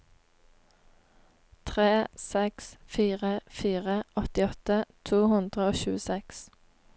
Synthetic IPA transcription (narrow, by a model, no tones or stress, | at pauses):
t̪ʰʁeːsɛksfiːʁəfiːʁəʔɔt̪ɪɔt̪ət̪ʰuːhʉnd̪ʁəoːʃʉ̰ːəsɛks